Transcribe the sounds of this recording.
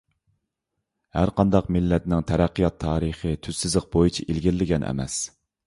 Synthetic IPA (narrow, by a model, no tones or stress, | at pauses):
hæɾqʰɑnd̪ɑqmɪlːɛt̪nɪŋt̪ʰɛɾæqːijɑt̪ʰːɑːɾəχət̪ʰyzsɪzlɨq̚bojit͡ʃʰiʔilɡʲɪɾlːɪɡʲɛnʔɛ̰mɛ̰s